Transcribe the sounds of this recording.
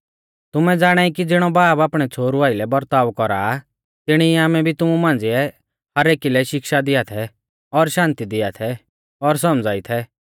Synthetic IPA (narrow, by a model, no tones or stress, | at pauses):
t̪ʊmɛd͡zaːɽ̃aːikid͡zɪɽ̃ɔbaːpaːpɽ̃ɛt͡sʰoːɾuaːɪlɛbɐɾt̪aːʋkɔɾa̰ | t̪ɪɽ̃iaːmɛbʱit̪ʊmumãːnd͡zɪɛ | hɐɾeːkilɛʃɪkʃad̪ɪat̪ʰɛ | ɔɾʃãːnt̪id̪ɪat̪ʰɛ | ɔɾs̬ɔmd͡zaːit̪ʰɛ